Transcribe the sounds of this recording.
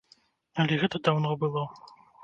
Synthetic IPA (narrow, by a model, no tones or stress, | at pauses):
ɐlʲɛɣɛt̪ɐd̪awnɔbɨlˠɔ